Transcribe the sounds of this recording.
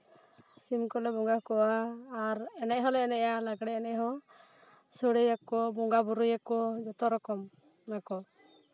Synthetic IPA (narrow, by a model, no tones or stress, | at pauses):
simkɔlɛbɔŋɡakɔwaːɾɛnɛʔɦɔlɛɛnɛʔalaɡɽɛɛnɛʔɦɔ̃ | sɔɽɛjakɔbɔŋɡabuɾujakɔd͡ʒɔt̪ɔɾɔkɔm | nakɔ